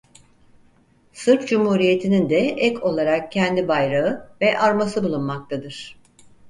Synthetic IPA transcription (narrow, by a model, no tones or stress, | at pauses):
sɯɾpd͡ʒumhuːɾije̞t̪ʰinind̪ɛɛkʰo̞lˠaɾak̚cʰɛnd̪ibajɾaɯvɛʔaɾmasɯbulˠunmak̚t̪ʰad̪ɯɾ̥